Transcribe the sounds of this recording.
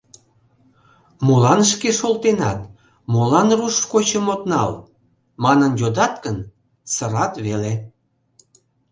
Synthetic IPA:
molɑnʃkeʃolt̪enɑt̪ | molɑnruʃkot͡ɕəmot̪nɑ̰l | mɑnənjod̪ɑt̪̚kən | səɾɑt̪βele

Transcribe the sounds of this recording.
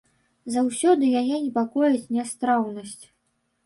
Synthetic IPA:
zawsʲɔd̪ɨjajɛnʲɛpakɔjɐt͡sʲnʲɛst̪ɾawnɐsʲt͡sʲ

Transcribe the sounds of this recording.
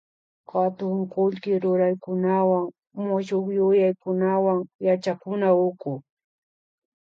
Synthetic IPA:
kat̪ʊŋkʊlkɪɾʊɾajkʊnawaŋ | mʊʃokjʊjajkʊnawaŋjat͡ʃakʊnaʊkʊ

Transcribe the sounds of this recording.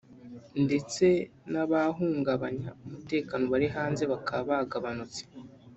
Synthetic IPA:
nde̞t͡se̞naβaɦuːŋɡaβaɲaumute̞ːkaːno̞βaɾiɦaːnze̞βakʰaβaɡaβanut͡se̥

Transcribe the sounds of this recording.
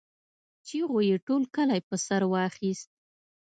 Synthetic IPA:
t͡ʃiɣojeʈolkəlajpəsaɾwɑxist̪̚

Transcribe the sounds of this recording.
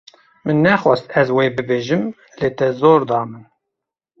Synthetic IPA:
mɨnːɛxwɛst̪ɛzweːbɨbeːʒɨm | leːt̪ɛzoːɾd̪ɑːmɨn

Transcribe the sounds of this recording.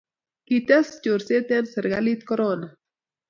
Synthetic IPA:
kit̪ast͡ʃuɾset̪enseɾɡalit̪̚koɾona

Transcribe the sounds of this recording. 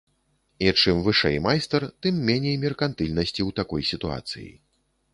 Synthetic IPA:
it͡ʂɨmvɨʂɛ̰jmajst̪ɛrt̪ɨmːʲɛnʲejmʲɛrkant̪ɨlʲnɐsʲt͡sʲiwt̪akɔjsʲit̪ua̰t̪sɨ̰jḭ

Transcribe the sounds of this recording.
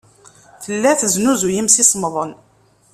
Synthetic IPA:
θəlːæθəznuzujimsisˤmðˤən

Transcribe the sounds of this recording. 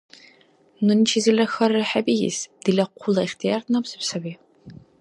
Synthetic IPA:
nɨnt͡ʃʰizɨlɐxɐrɨħabijḭsd̥ilɐqʷʰʊlˠɐiχtʰijaːrtʰnɐpsɨpsɐwiː

